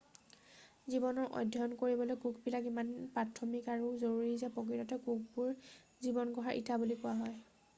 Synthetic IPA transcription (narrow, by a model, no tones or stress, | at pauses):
zibɔnɔɹʔɔ̰dʱjɔnkoɹibɔlojkukbilakimanpatʰːɔmikaɹuzoɹuɹizɛpɔk̬itɔtɛkuk̚bʊɹ | zibɔnɡɔɦaɹʔḭtʰabulikʊwaɦɔj